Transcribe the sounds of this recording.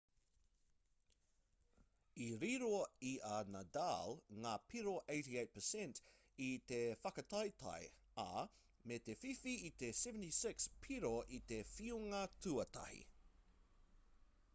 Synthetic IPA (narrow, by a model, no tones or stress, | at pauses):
iɾiɾoiʔanadalŋaːpʰiɾoʔeɪtiejt̚pʰəsɛ̃nt | it̪efɐkɐt̪ʰɐjtʰɐ̰j | ɐ | met̪efifiːt̪esɛvə̃ntisɪkspʰiɾoʔit̪efiuŋɐtʰuɐt̪ɐ̰hḭ